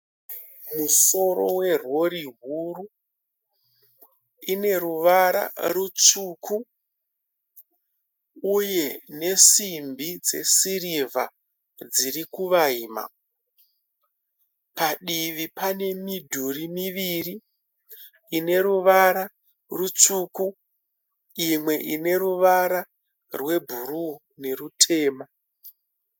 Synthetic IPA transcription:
muso̞ɾo̞we̞rwo̞ɾiɦuru | ine̞ruʋaɾa̰rut͡ʂukʰu | uje̞ne̞simbid͡ze̞̰sirivʱa̰ | d͡zirikuʋaiːma̰ | paɗiʋipane̞midʱurimiʋiri | ne̞ɾuʋaɾa | rut͡suːku | imwe̞ʔine̞ɾuʋaɾa | rwe̞bʱuɾu | ne̞rutʰe̞ːma

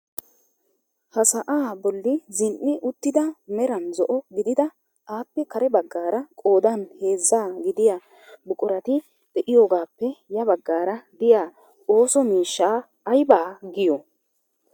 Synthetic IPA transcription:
hɐsɐʔaːbɔlːɪzɪnʔːɪʔʊt̪ːɪd̪ɐmɛɾɐnzɔʔɔɡɪd̪ɪd̪ɐ | ʔaːpːɛkɐɾɛbɐɡːaːɾɐkʼo̞ːd̪anhe̞ːzːaːɡɪd̪ɪja | bʊkʼʊɾɐt̪ɪ | d̪̥ɛʔɪjo̞ːɡaːpːɛjɐbɐɡːaːɾɐd̪ɪjaː | o̞ːsɔmiːʃːaː | ɐjbaːɡɪjɔ

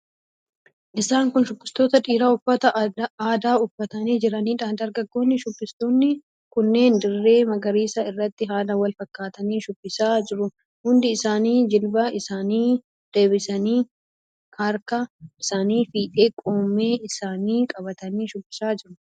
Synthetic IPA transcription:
ʔɪsaːŋkʊnʃʊbːɪst̪o̞ːt̪ɐᶑiːɾaːʊfːɐt̪ɐaːd̪aːʊfːɐt̪ɐniːd͡ʒɪɾɐniːᶑaːnd̪ɐɾɡɐɡːo̞ːnːɪʃʊbːɪst̪oːnːɪ | kʊnːe̞ːnd̪ɪrːe̞ːmɐɡɐɾiːsɐɪrːɐt̪ːɪɦaːd̪ɐwɐlfɐkːaːt̪ɐniːʃʊbːɪsaːd͡ʒɪɾʊ | hʊnd̪ɪːsaːniːd͡ʒɪlbɐɪsaːniː | d̪̥e̞ːbɪsɐniː | kɐɾkɐʔɪsaːniːfiːᶑe̞ːkʼo̞ːmːe̞ːʔɪsaːniːkʼɐbɐt̪ɐniːʃʊbːɪ̥saːd͡ʒɪɾʊ

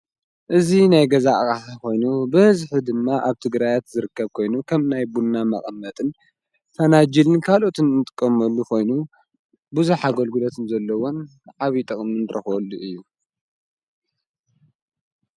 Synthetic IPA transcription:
ʔɨzinajɡɐzaʔkʼaħako̞jnubɨɨzħɨd̪ɨmːaʔaβt̪ʰɨɡɾajat̪zɨɾɨkːɐβkʰo̞jnukʰɐmnajbunːamɐχʼɐmːɐt̪ʼɨn | fɐnad͡ʒilɨnkʰalo̞t̪ʰɨnnɨt̪ʼɨkʼːɐmɐlːukʰo̞jnu | buzuħaɡolɡulot̪ʰɨnzɐlːɐwon | ʕaβit̪ʼɨχʼmɨnɾɐ̰xolːuʔɨjːu

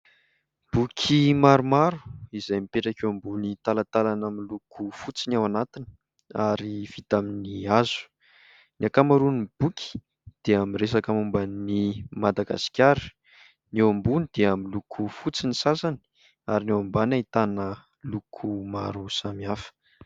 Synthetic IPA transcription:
b̥ukʲʰimaɾumaɾu̥izajmipeʈ͡ʂakewambunit̪alat̪alanamilukʰufut͡sinawanat̪ini̥ | aɾiv̥it̪aminiazu̥ | niakamaɾunib̥ukʲi̥ | d̪̥eamiresakamumbənimad̪aɡa̰si̥kʲaɾi̥ | newambunid̪̥eamilukʰufut͡sinisasani̥ | aɾinewambanait̪anə | lukʰuma̰ɾusamiafə̥

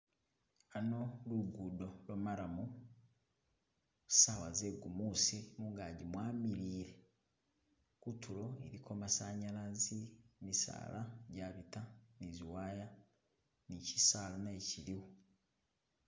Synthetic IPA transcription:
ano̞luɡudo̞lomaɾamu | sawazeɡumusimuːŋɡaɟimwaːmiɾiːɾe̞ | kutʰuɾo̞ḛɾikʰo̞masaɲalazimisa̰laɟaːβitaniziwaːja | nici̥salonaeciɾiwu

